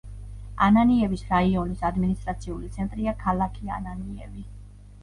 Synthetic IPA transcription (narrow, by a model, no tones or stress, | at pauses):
ananiɛvisɾaiɔnisad̪minist̪ʼɾat̪sʰiulit̪sʰɛnt̪ʼɾiakʰalˠakʰia̰naniɛ̰vi